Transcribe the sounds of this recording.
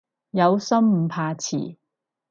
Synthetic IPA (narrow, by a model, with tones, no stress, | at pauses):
jɐ˨˧wsɐ˥m̩˨˧pʰaː˧t͡sʰḭː˨˩